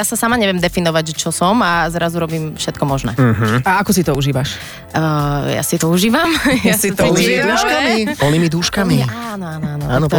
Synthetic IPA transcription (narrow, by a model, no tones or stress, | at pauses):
jasasamaɲɛʋɪɛmd̪ɛfinɔʋact͡ʃɔsɔmazɾazuɾɔbiːmfʃɛt̪̚kɔmɔʒnɛ̰ːɦ̩aakɔsit̪ɔuʒiːʋaʃ | əja̰sit̪ɔuʒiːʋamjasinimidd̪uʃkamipɔlnimid̪uʃkamianɔaːnɔaːnɔanɔ